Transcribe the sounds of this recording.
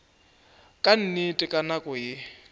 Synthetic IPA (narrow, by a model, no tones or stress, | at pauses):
kʼan̩nɪtʼɪkʼanakʼɔjɪ